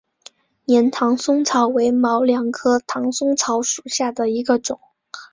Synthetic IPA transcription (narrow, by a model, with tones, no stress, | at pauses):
njɛ˧˥nt̪ʰɑ˧˥ŋsʊ˥ŋt͡sʰɑ˧˥ʊwe˧˥ɪmɑ˧˥ʊljɑ˨˩ŋkʰɤ˥t̪ʰɑ˧˥ŋsʊ˥ŋt͡sʰɑ˧˥ʊʂu˨˩ɕja˥˩d̪ə˩i˧˥ɡə˧ʈ͡ʂʊ˨˩˦ŋ